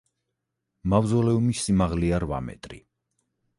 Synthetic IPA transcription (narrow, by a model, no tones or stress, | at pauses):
mavzɔlɛumisːimaʁliaɾva̰mɛ̰t̪ʼɾḭ